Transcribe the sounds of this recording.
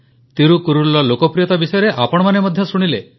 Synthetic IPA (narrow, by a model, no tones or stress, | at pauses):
t̪iɾukuɾulːɔlokɔpɾijɔt̪abisɔjɔɾeʔapɔɽɔmanemɔd̪ʱjɔsuɽ̃ile